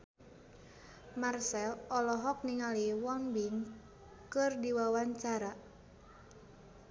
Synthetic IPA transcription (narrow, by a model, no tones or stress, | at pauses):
marsɛlɔlɔɦɔk̚niŋaliwɔnbiŋ | kɨrdiwawaɲt͡ʃaɾa